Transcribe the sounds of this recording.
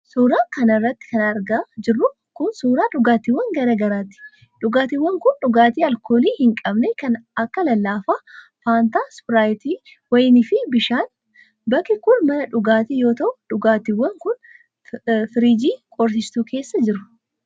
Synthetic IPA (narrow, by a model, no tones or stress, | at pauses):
suːɾaːkɐnɐrːɐt̪ːɪ̥kɐnɐɾɡaːd͡ʒɪrːʊ | kʊnsuːɾaːᶑʊɡaːt̪ɪwːɐŋɡɐɾɐɡɐɾaːt̪ɪ̥ | ᶑʊɡaːt̪ɪwːɐŋkʊnᶑʊɡaːt̪iːɐlkoːliːhɪŋkʼɐbnɛkɐnɐkːɐlɐlːaːfaː | faːnt̪aːspɪɾaːjɪt̪iː | wɐjnɪfɪbɪʃaːn | bɐkːɪkʊlmɐnɐᶑʊɡaːt̪iːjo̞ːt̪ɐʔʊᶑʊɡaːt̪ɪwːɐŋkʊn | fɪɾiːd͡ʒiːkʼɔɾs̬ɪst̪uːkʰe̞ːsːɐd͡ʒɪɾʊ